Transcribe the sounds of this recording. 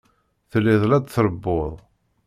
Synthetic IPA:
θəlːiðˤlæd̪θɾəbːoðˤ

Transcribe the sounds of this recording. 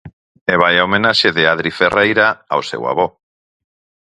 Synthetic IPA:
eβ̞ajaomẽnaʃeðeaðɾiferʔejɾaa̰wsḛwa̰β̞o

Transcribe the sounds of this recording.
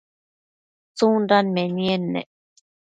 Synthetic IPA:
t͡sũndanmẽnienːḛ̃

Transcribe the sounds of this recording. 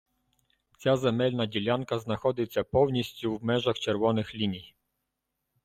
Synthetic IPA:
t͡sʲazɛmɛlʲnad͡ʑʲilʲankaznaxɔd̪ɪt͡sʲːapɔwnʲisʲt͡ɕʲuwmɛʒaxt͡ʃɛɾʋɔnɪxlʲinʲij

